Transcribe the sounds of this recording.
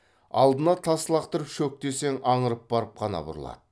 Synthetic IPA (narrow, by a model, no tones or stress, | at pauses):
ɑ̰lˠd̪ənɑt̪ʰɑsəlˠɑqt̪əɾəpʃɵk̚t̪e̞se̞ŋɑɴəɾəp̚bɑɾəp̚qʰɑnɑ̰bʊ̰ɾəlˠɑ̰d̪̥ə